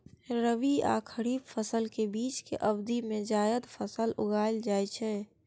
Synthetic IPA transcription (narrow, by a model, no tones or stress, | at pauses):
ɾəʋia̰ːkʰəɾiːbfʰəsəlkebiːt͡ʃkḛʔəbd̪imẽd͡ʒaːjəd̪fʰəsəlʊ̰ɡaːld͡ʒaːet͡ʃʰɛː